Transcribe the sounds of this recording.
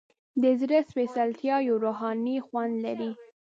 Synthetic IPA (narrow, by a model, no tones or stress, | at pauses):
d̪əzɾəswesalt̪jɑjoɾoɦɑnixwand̪laɾi